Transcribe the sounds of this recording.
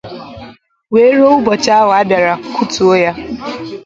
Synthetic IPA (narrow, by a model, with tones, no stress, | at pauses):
weː˨˦ɾo˦u˦bɔ˨t͡ʃa˦a˦wa˨a˦bja˨ɾa˨kʰu˦tu˨o˦ja˦